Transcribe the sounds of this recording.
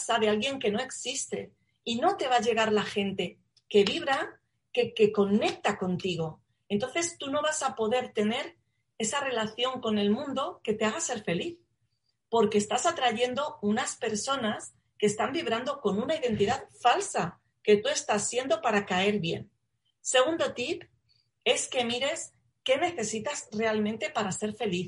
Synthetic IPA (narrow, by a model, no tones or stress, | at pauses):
saðealɣje̞ŋke̞no̞e̞ksist̪e̞̰ | ino̞t̪e̞βaʝe̞ɣ̞aɾlaxe̞nt̪e̞ | ke̞β̞iβ̞ɾa | keke̞ko̞ne̞k̚t̪ako̞nt̪iɣ̞o̞ | e̞nt̪o̞n̟θe̞st̪uno̞βasapo̞ðe̞ɾt̪e̞ne̞ɾ | e̞sare̞laθjo̞ŋko̞ne̞lmũnd̪o̞ke̞t̪eaɣ̞ase̞ɾfe̞liθ | po̞ɾke̞ːst̪asat̪ɾaʝe̞nd̪o̞unaspe̞ɾso̞nas | keːst̪ambiβ̞ɾand̪o̞ko̞nunaiðe̞nt̪iðaðfalsa | ke̞t̪ue̞st̪asːje̞nd̪o̞paɾakae̞ɾβje̞̰n | se̞ɣ̞und̪o̞t̪ip | e̞ske̞miɾe̞s | ke̞ne̞θe̞sit̪azre̞almẽnt̪e̞paɾase̞ɾfe̞liθ